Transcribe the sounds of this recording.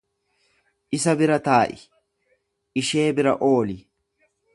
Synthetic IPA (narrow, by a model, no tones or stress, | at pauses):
ʔɪsɐbɪɾɐt̪aːʔɪ | ʔɪʃe̞ːbɪɾɐ̰ʔo̞ːlɪ